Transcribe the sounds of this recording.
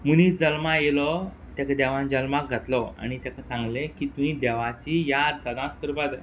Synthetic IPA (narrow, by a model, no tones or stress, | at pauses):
munit͡sd͡zəlmajelɔ | t̪ɛkd̪ɛʋãnd͡ʑəlmak̚ɡʱat̪lɔa̰ɽ̃it̪ɛkasãŋɡlekit̪ũɦĩd̪ɛʋat͡ɕijad̪səd̪ãt͡skəɾbad͡za